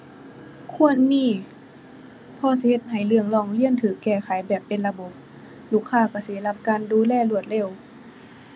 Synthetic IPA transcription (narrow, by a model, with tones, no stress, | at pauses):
kʰu˧˥˨ənmiː˧˥˨ | pʰɔː˧˩s̬i˧he˧˦t̪̚ɦa˨˩jlɯ˧˩əŋlɔː˧˩ŋli˧˥ə˨nt̪ʰɯː˨˦kːɛː˧˩ka˨˦jbɛː˨˩pːe˧˨nla˧bo˧˦p̚ | luː˧˩kʰːaː˧˨kɔː˧˩seː˨˦la˧p̚kaː˧˨nduː˧˦lɛː˧˨lu˧˩ət̪̚le˧˩˨w